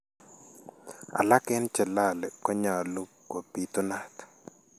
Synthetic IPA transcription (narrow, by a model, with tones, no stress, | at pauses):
a̰˨la˦kɛ˦nt͡ʃɛ˨la˦˨lɛ˨kɔ˦ɲa˨lu˦ko˨pi˦t̪ʊ˦na˦t̪